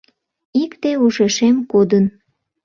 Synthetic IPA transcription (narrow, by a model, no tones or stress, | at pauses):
ikt̪euʃeʃemkod̪ən